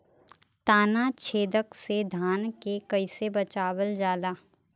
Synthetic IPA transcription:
t̪aːnat͡ʃʰeːd̪əksed̪ʱaːnkekɐɪsebɐt͡ʃaːwəld͡ʒaːd̪aː

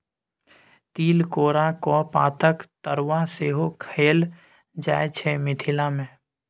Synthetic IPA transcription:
t̪iːlkoːɾakɔːpa̰ːt̪ʰəkt̪əɾwaseːɦokʰeːl | d͡ʒaːet͡ʃʰɛmɪt̪ʰɪlamẽ

